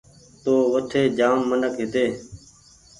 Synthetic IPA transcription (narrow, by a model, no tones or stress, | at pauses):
t̪oːʋət̪ʰeːd͡ʒaːmːənəkɦɪt̪eː